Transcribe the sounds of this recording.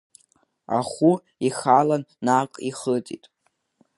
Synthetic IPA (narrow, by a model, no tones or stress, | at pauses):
a̰χʷu | iχalanːaːkʷʼiχətʼitʼ